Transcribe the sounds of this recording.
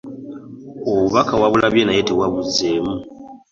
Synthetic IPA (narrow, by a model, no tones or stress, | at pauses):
oβuβakawaβulaβjenajeteβwaβuzeːmu